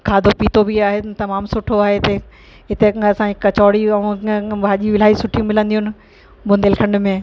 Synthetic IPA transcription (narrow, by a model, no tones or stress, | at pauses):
kʰaːd̪ʱopiːt̪obʱiaːɦet̪ɐmaːmsʊʈʰoaːɦeɪt̪e | ɦɪt̪eɐsãikɐt͡ɕɔːɽiɐũbʱaːʄiʋɪl̤aːisʊʈʰijũmɪlə̃nd̪ijʊnɪ̆ | bʊ̃nd̪eːlkʰɐ̃ɳɖmẽ